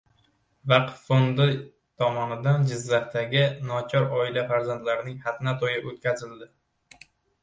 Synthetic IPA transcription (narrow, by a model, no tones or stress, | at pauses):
vɑqt̪fond̪ɪ | t̪ʰɒmɒnɪd̪and͡ʒɪzːaχt̪aɡʲɪnɒt͡ʃʰɒɾɒɪlafaɾzant̪laɾɪnɪŋhat̪ʰnat̪ʰojɪʔot̪kʲʰazɪld̪ɪ